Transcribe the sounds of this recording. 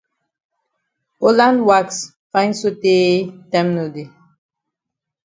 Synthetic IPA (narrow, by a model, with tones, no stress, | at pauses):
olã˦ndwa˦ks | fã˦ɪ̃nso˦te˦tɛmno˨de˨